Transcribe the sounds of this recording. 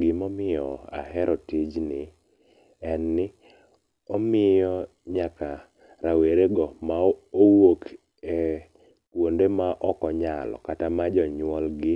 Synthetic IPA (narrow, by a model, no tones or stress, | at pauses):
ɡɪmɔmɪjɔa̰hɛɾʔɔtid͡ʒnɪ | ɛnːɪ | ɔmɪjɔ | ɲaka | ɾaweɾeɡɔmaowok | ɛ | kwondemaʔɔkɔɲalɔ̰katamad͡ʒɔɲwɔlɡɪ